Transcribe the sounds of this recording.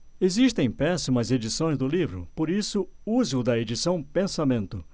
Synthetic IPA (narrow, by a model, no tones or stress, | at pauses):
eziʃt̪ẽj̃pɛsimɐzed͡ʒisõj̃zd̪ʊlivɾʊ̰poɾisʊuzɪʊd̪ɐed͡ʒisɐ̃w̃pẽsamẽnt̪ʊ